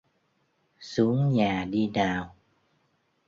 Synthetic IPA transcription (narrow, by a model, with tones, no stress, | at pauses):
su˨˦əŋɲaː˨˩ɗi˧naː˨˩w